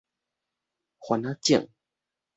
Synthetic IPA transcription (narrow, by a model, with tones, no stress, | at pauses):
xwa˨na˦t͡ɕja̰˥˨ŋ